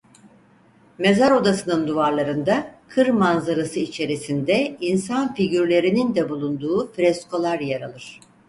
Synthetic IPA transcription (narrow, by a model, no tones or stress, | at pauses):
me̞zaɾo̞d̪asɯnɯnd̪uvaɾlˠaɾɯnd̪akʰɯɾmanzaɾasɯit͡ʃʰe̞ɾisind̪ɛinsanfiɟyɾlʲe̞ɾinind̪ɛbulˠund̪uːfɾɛskʰo̞lˠaɾjeɾalˠɯɾ̝̥